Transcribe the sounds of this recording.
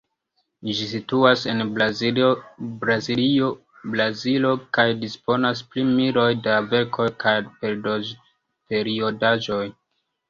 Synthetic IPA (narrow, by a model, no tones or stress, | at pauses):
ʒisituase̞n | bɾazilio | blazilo̞kajdispo̞nasplimiɾo̞jdave̞ɾkʰo̞jkajpeɾdo | pe̞ɾio̞daʒo̞j